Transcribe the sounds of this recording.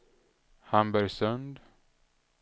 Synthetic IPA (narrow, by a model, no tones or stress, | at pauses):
hambəɾsœnd̪